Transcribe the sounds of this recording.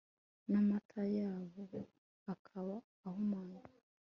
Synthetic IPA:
namatʰajaːβo | akʰaβaː | homaːɲa

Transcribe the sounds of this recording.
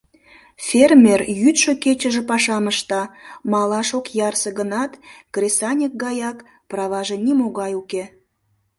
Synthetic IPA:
fʲermʲerjyt̪ʃoket͡ɕəʒĕpɑʃɑməʃt̪ɑmɑlɑʃokjɑrsəɣənɑt̪krʲesɑnʲək̚ɡɑjɑk | prɑβɑʒĕnʲimoɣɑjuke

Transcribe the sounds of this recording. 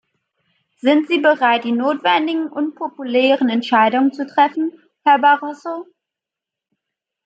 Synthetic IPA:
z̥ɪntz̥iːbəʁaɪt̚d̥iːnoːtv̥ɛndɪɡŋ̩ʔʊnpʰopulɛːʁənɛntʃaɪdʊŋənt͡sutʁ̥ɛfn̩ | hɛɐbaʁɔso

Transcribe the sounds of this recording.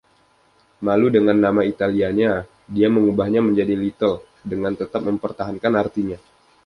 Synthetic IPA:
maludəŋanːamait̪aliaɲa | diaməŋubahɲaməɲd͡ʒadilit̪əl | dəŋant̪ət̪ap̚məmpərt̪aɦankanart̪iɲa

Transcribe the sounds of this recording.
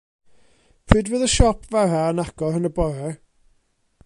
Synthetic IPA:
pʰrɪdwəːðəʃɔpʰvaɾaənaɡɔhənəbɔɾɛ

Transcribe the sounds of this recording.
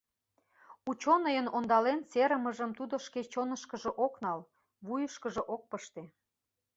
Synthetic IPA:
ut͡ɕonəjənond̪ɑlent͡seɾəməʒəmt̪ud̪oʃket͡ɕonəʃkəʒeʔoknɑl | βujəʃkəʒeʔok̚pəʃt̪e

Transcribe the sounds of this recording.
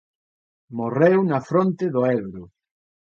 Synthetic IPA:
morewnɐfɾont̪ɪðʊɛβɾʊ

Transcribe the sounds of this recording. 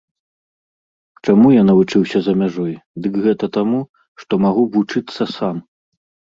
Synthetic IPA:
t͡ʂamujanɐvut͡ʂɨwsʲɐzɐmʲaʐɔjd̪ɨkɣɛt̪ɐt̪amu | ʂt̪ɔmaɣuvut͡ʂɨt̪sːɐsam

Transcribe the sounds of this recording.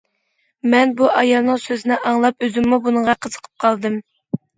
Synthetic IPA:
mɛnbuʔɑjɑlˠnɨŋsøzɪnɪʔɑŋlˠɑpøzɪmːubunəɴʁɑqʰəz̥ə̥qʰə̥p̚qʰɑlˠd̪ɨm

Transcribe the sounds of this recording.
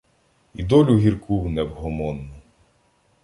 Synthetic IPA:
id̪ɔlʲuɦʲirkʰuwnɛwɦɔmɔnːʊ

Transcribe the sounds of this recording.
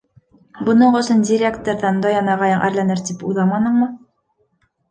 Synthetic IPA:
bɤ̆nɤɴɵ̆sɤndʲɪɾʲekt̪oɾðɑnd̪ojɑnɑʁɑjɑɴʔæ̰ɾlænɘɾt̪ipujlˠɑmɑnɤ̆ɴmɤ

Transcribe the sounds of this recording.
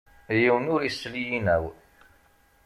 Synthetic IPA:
jiwənʊɾisːlijinæw

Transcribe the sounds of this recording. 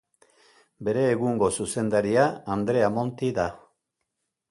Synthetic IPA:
be̞ɾe̞ːɣuŋɡo̞suse̞nd̪aɾiaːnd̪ɾe̞amo̞nt̪iða

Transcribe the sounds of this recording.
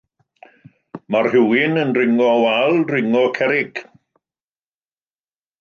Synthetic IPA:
marhɪwɪnənrɪŋɔwalˠrɪŋɔkʰɛɾɪɡ̥

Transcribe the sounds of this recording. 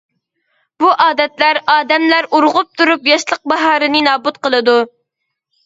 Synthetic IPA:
buʔɑːd̪ɛt̪læɾɑːd̪ɛmlæɾuɾʁʊp̚t̪ʰuɾupjɑʃlˠəq̚bɑɦɑːɾɨnɨnɑːbut̪̚qəlˠɨd̪u

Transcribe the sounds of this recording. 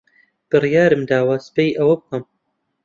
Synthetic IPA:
b̥ɨrijaːɾɨmd̪aːwaːspejʔɐwɐbɨkɐm

